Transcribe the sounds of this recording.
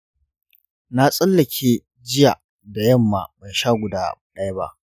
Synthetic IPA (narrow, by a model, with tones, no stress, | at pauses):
na˦sʼɐ˦lːɐ˨kʲʰeː˦ | d͡ʒɪ˦ja˨ | da˨jɐ˦˨mːaː˨ba˨jʃaː˦˨ɡʷʊ˨daː˦ɗa˦jba̰˦ʔ